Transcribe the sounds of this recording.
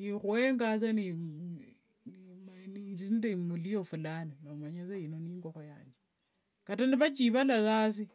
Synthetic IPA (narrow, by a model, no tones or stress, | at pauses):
nixueŋɡaseni | nmnitindemulijofulanilamaɲeseinoniːŋɡoxojaːɲd͡ʒe | kataniβat͡ʃiβalasasi